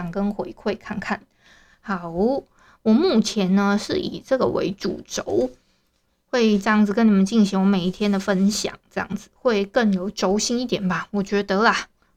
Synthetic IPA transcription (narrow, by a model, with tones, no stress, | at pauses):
ɑ˨˩ŋkə˦nxwe˧˥ɪkʰwe˥˧ɪkʰa˥˧nkʰa˥˩n | ha˨˧˩ʊ | wɔ˨˩mu˥˩t͡ɕʰjɛ˨˧˥nnə˧ʂɻ̩˥˩ʔḭ˨˩ʈ͡ʂɤ˥˩ɡə̰˩wḛ˧˥ɪʈ͡ʂṵ˨˩ʈ͡ʂo˧˦ʊ | xwe˥˧ɪʈ͡ʂɤ˥˧jɑ˥˩ŋd͡z̩˨˩k̬ə˦ni˨˩mə˨˦nt͡ɕi˥˩nɕi˧˥ŋwɔ˨˧˦me˨˩i˥˩t̪ʰjɛ˥nd̪ə˨fə˦˥nɕjɑ̰˨˩ŋʈ͡ʂɤ˥˧jɑ̰˥˩ŋd͡zɹ̩˨˩xwe˥˧ɪkə˥˩njo˨˩ʊʈ͡ʂo˧˥ʊɕi˥ni˥˩t̪jɛ˨˩nba˨wɔ˨˩t͡ɕɥɛ˧˥d̪ə˧t̪ə˧˦la˨˩